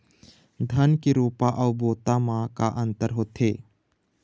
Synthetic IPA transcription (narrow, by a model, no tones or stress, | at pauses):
d̪ʱənkiɾuːpaʔəwboːt̪amãkaʔənt̪əɾɦoːt̪ʰe